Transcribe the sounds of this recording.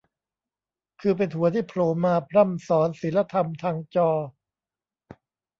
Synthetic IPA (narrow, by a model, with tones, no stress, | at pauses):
kʰɯː˧p̬e˧nt̪u˩˦ɐt̪ʰiː˥˩pʰloː˨˦mːaː˧pʰɾa˥˩msɔː˩˦nsi˨˩˦nla˧t̪ʰa˧mt̪ʰaː˧ŋt͡ɕɔː˧